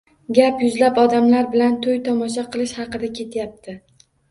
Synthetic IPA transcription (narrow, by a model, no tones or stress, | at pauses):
ɡʲapjʊzlapɒd̪amlaɾbɪlant̪ʰʊjt̪ʰɒmɒʃaqʰɨlˠɪʃhɑqɨd̪akʲʰe̞t̪ʰjap̚t̪ʰɪ